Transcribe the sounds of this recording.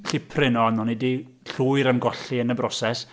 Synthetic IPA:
ɬɪpʰrɪnɔanɔnidi | ɬuɨɾənɡɔɬiənəbrɔsɛs

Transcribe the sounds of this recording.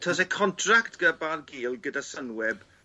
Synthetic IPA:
tʰɔs̬ɛkʰɔntʰraktɡ̥əbanɡiːlˠɡədasənwɛb

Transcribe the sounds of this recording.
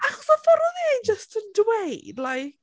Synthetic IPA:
aχɔsɔfɔɾɔðiajnd͡ʒəstʰəndwejdlaj

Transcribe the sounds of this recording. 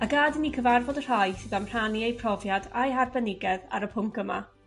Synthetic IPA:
aɡadənikʰəvarvɔdər̥ajsɨðamr̥aniejpʰr̥ɔvjadajɦarbɛnɪɡɛða̰ɾəpʰʊmkəma̰

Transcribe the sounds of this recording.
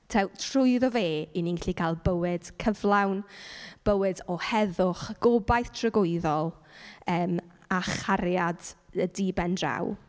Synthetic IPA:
tʰɛwtʰrʊɨðɔveːiniŋɪɬikʰalˠbəwɪd̥kʰəvlˠawnb̥əwɨdɔhɛðʊχɡ̥ɔbajθtʰrəɡʊɨðɔlˠəːm | aχaɾjadədibɛndra̰w

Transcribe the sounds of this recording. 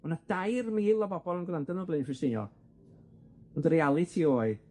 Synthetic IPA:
ɔnad̥ajrmiːlˠɔbɔbɔlˠənɡlˠandənəblˠɪnfɪsɪnjɔ̰ | ɔndəɾealˠɨtʰiːoːɨ

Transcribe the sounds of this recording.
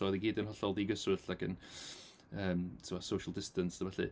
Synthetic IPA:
ɔðiɡiːdənhɔɬɔlˠdiɡəsʊɬlakʰə̰n | əːmtʰɪmɔsowʃəlˠdɪstənsəvɛɬɨ̰

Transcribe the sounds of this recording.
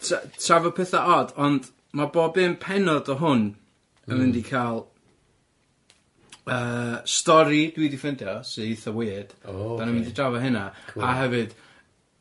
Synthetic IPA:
tʰatʰravɔpʰɛθaʔɔd̥ɔnd̥ | maboːbɨːnpʰɛnɔdɔɦʊn | əmɪndikʰaːlˠ | əːstɔɾid̥widifɪndjɔsɨðiθɔweːd̥d̥anəmɪndidravɔɦɪnaaɦɛvɨd̥

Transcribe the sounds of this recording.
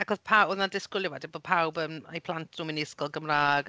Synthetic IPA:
akʰɔpʰaɔnadɪskʊlˠjɔwadiboːð̚pʰawbəma̰jpʰl̥ˠantʰrumɪnɪskɔlˠɡəmraːɡ

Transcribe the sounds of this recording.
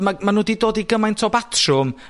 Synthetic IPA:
mamanuːdidoːdiɡəmajntʰoːbatʰrʊm

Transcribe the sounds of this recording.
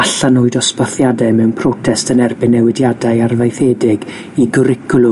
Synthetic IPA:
aɬanoɨdɔspɔθjadɛmɛwnpʰrɔtʰɛstənɛrbɪnːɛwɪdjadaɨarvajθedɪɡ | iɡʊɾɪkʰʊlˠʊ

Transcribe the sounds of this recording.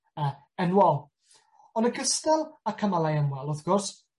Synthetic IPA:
ə | ɛnwɔlˠ | ɔnəkʰəstɛlˠakʰəmalˠajaŋwɛlˠɔθɡ̥ʊrs

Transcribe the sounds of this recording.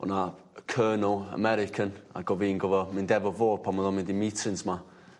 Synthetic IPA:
ɔ̰na | kʰɜːnəlˠə̰mɛɾɪkʰəna̰ɡ̥ɔviːnɡɔvəmɪndɛvəvoːd̥̚pʰaməðɔnmɪndimiːtʰɪnsma

